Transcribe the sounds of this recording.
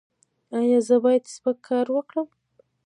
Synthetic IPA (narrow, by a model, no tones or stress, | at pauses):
ajɑzəbɑjad̪spəkʰːɑɾwəkɽəm